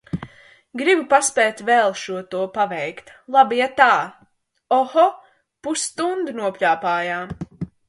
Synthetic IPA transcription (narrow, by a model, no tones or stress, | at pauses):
ɡɾibupaspɛːt̪ʲvɛlˠʃuɔt̪uɔpavɛjkt̪lˠabijat̪aː | ɔhɔ | pusːt̪und̪ɨnuɔpʲʎʲaːpaːjaːm